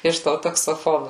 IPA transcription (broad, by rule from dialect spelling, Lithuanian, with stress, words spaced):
ɪʃ ˈtoː tɐksoːˈfoːnʊ